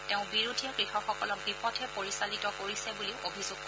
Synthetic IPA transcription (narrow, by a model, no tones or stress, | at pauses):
teʊ̃biɹudʱijakɹixɔxɔkɔlɔk̚bipɔtʰɛpoɹisalitɔkoɹisɛbuliʊʔobʱizuɡ̚